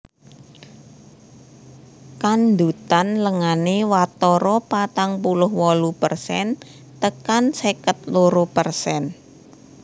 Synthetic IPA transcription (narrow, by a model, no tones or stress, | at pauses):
kand̪ut̪anləŋanewat̪ɔɾɔpat̪aŋpulʊɦwɔlupərsɛ̰n | t̪əkansekət̪̚loɾupərsɛn